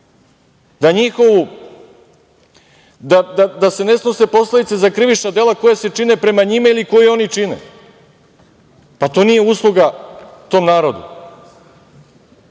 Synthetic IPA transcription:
d̪aɲixo̞ʋu | d̪ad̪ad̪ase̞ne̞sno̞se̞po̞sled̪it̪sezakɾɨʋiʃnad̪e̞lako̞jase̞t͡ʂine̞pɾe̞maɲimailiko̞jio̞nit͡ʂinḛ | pat̪o̞ːnijeuːslˠuɡat̪o̞mnaːɾo̞d̪ṵ

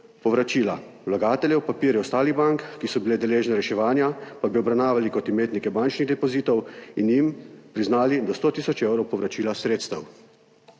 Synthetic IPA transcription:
pɔʋɾat͡ʃiːla | wlaɡaːt̪ɛlʲjɛwpapiːɾjɛɔst̪aːliɣbaŋkːisɔbiled̪ɛleːʒnɛɾɛʃɛʋaːnjapabiɔbɾawnaːʋalikɔt̪imeːt̪nikɛbant͡ʃniɣd̪ɛpɔziːt̪ɔwinjimpɾiznaːlid̪ɔst̪oːt̪iːsɔt͡ʃewɾɔwpɔʋɾʔat͡ʃiːlasɾeːt̪st̪ɐw

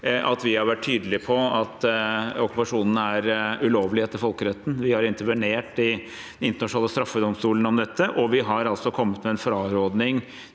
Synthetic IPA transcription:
ʔɑ̰t̪ʋɪhɑɾʋæʈʰːyːd̪əlɪpʰɔɑt̪ɔkːʉ̥pɑʂuːnənæɾʉloːʋlɪheːt̪ːəɪɾfɔlkəɾɛt̪ːn̩ʋɪhɑɾɪnt̪əɾʋəneːʈɪ | d̪ɛnɪnt̪əɳɑʂnɑːləst̪ɾɑfːəd̪ɔmst̪uːlən̩ɔmd̪ɛt̪ʰːəʔɔʋɪɦɑɾɑlt̪sɔkʰɔmːət̪mɛɛnfɾɑːɾoːd̪nɪŋ

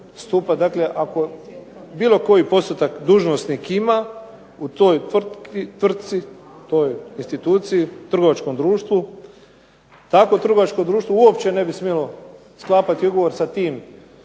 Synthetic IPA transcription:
st̪upad̪akle̞ʔako̞ | biːlo̞ko̞jipo̞st̪ot̪akd̪uːʒnosnikima | ut̪ojt̪rt̪kit̪ʋr̩t̪̚sit̪o̞jinst̪it̪uːt̪siit̪r̩ɡo̞ʋat͡ʃkomd̪ɾuːʃt̪ʋu | t̪akot̪r̩ɡo̞ʋat͡ʃkomd̪ɾuːʃt̪ʋouopt͡ɕe̞ne̞bismjelo | sklˠaːpat̪iuɡoʋo̞ɾsat̪iːm

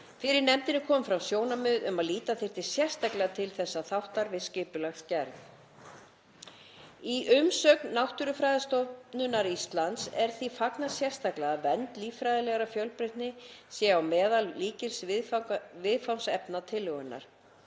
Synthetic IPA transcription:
fɪɾɪɾnɛmt̪ɪnɪkʰɔːmfɾawsjoːwnamʏðʏmaðliːt̪aθɪr̥t̪ɪ̥sjɛr̥st̪aklɛɣat̪ʰɪlθɛsːaθawht̪aɾvɪðscɪːpʏlaxscɛɾθ | iʔʏmsœknːawht̪ʏɾʏfɾajðɪst̪ɔnʏnːaɾist̪lant̪sɛɾ̥θifaknasjɛr̥st̪aklɛɣavɛnt̪liːfɾajðɪlɛɣaɾafjœwlpɾɪht̪nɪsjɛawmɛːðalliːcɪlsvɪfvɪðfawnsɛpnat̪ʰɪlːʏɣʏnːa̰ɾ̥

